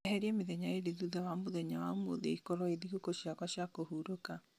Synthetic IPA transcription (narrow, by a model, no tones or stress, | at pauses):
ɛɦɛɾiɛmeðɛɲaeɾiðuðawamoðɛɲawamo̰ðḛikɔɾɔeðiɣukoʃjakwaɕjakohuɾoka